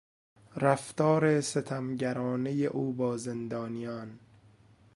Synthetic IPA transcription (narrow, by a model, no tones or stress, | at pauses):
ɾæft̪ɒːɾeset̪ʰæmɟæɾɒːnejeʔuːbɒːzend̪ɒːnijɒːn